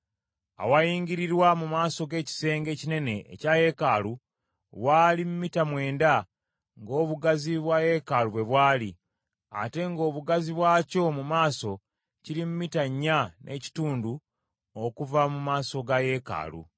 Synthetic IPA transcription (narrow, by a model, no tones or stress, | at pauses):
a̰wajiːŋɡiɾiɾwamumaːso̞ɡe̞ːci̥se̞ːŋɡe̞ːcine̞ne̞̰ːcaje̞kaːlu | waːlimumitamwe̞ːnda | ŋɡo̞ːβuɡaziβwaje̞kaluβwe̞βwaːli | a̰te̞ŋɡo̞ːβuɡaziβwaːco̞mumaːso̞ | ciɾimumitaɲːanʔe̞̰ci̥tuːndu | okuvamumaːso̞ɡaje̞ka̰ːlṵ